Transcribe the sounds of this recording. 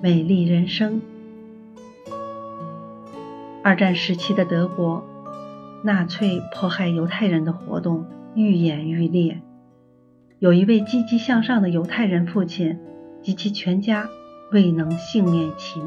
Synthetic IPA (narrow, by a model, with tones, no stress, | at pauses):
me˨˩ɪli˥˩ɻə˧˥nʂɤ˥ŋ | ɐ˞˥˧ʈ͡ʂa˥˩nʂɻ̩˧˥t͡ɕʰi˥d̪ə˧t̪ɤ˧˥kwɔ˧˥ | na˥˧t͡sʰwe˥˧ɪpʰwɔ˥˧xa˥˩ɪjo˧˥ʊt̪ʰa˥˩ɪɻə˧˥nd̪ə˧xwɔ̰˧˥t̪ʊ˥˧ŋy˥˩jɛ˨˩ny˥˧ljɛ˥˩ | jo˨˩ʊi˧˥we˥˩ɪt͡ɕi˥t͡ɕi˥ɕjɑ˥˧ŋʂɑ˥˩ŋd̪ə˩jo˧˥ʊt̪ʰa˥˩ɪɻə˧˥nfu˥˩t͡ɕʰi˨˩nt͡ɕi˧˥t͡ɕʰi˧˥t͡ɕʰɥɛ˧˥nt͡ɕja˥we˥˩ɪnɤ˧˥ŋɕi˥˧ŋnjɛ˥˩nt͡ɕʰi˧˥ŋ